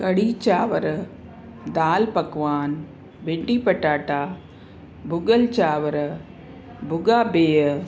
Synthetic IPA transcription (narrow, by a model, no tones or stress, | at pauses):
kɐɽit͡ʃaːʋɐɾɐ | d̪aːlpɐkːʋaːn | ʋeɳɖːipɐʈːaːʈːaː | bʊɡɐlt͡ʃaːʋɐɾɐ | bʊɡaːbeːɐ